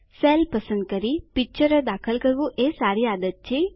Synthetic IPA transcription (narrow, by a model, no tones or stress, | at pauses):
selpəsə̃nd̪̚kəɾipɪk̚t͡ʃəɾəd̪akʰəlkəɾʋũʔesaɾiad̪ət̪̚t͡ʃʰe